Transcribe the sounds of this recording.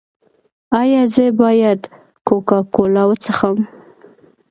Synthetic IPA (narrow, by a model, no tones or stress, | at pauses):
ɑjɑzəbɑjad̪ | kokɑkolɑwət͡səxam